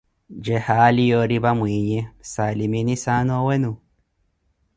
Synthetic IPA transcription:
d͡ʒehalijoɾiβamwiːɲɛsaliminisanowenu

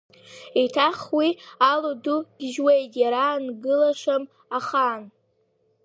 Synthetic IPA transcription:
itʰaχwialuduɡ̥ʲʒwejtʼjaɾanɡɨlaʂʷam | aχan

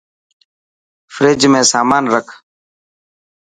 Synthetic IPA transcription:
fɾeːd͡ʒmẽːsaːmaːnɾəkʰ

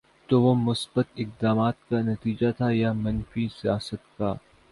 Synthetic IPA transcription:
t̪oʋomʊsbət̪ɪq̚d̪aːmaːt̪̚kanɐt̪iːd͡ʒat̪ʰajamɐ̃nfisijaːsət̪kaː

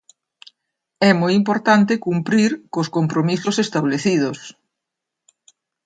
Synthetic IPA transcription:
ɛmojimpoɾt̪ant̪ɪkumpɾiɾkoskompɾomisʊsest̪aβleθiðʊs

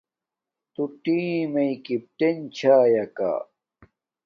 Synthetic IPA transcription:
t̪uʈiːmejkip̚ʈ̪ent͡ɕʰaːjɐka̰ː

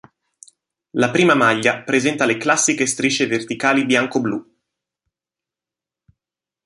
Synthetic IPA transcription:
lapɾiːmamaʎːapɾezɛnt̪aleklasːikest̪ɾit͡ʃːevert̪ikaːlibjaŋkoblu

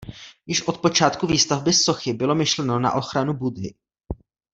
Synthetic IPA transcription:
jɪʃʔo̞t̪po̞t͡ʃaːt̪kuviːst̪avbɪso̞xɪbɪlo̞mɪʃlɛno̞na̰ʔo̞xɾanubudɦɪ̰

